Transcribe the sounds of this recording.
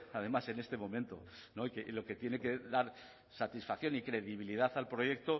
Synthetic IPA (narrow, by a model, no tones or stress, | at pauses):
aðe̞mase̞ne̞st̪e̞mõ̞mẽnt̪o̞̰noikelo̞ke̞t̪je̞ne̞ke̞ðaɾ | sat̪isfakθjo̞nikɾe̞ðiβ̞iliðaθalpɾo̞je̞k̚t̪o̞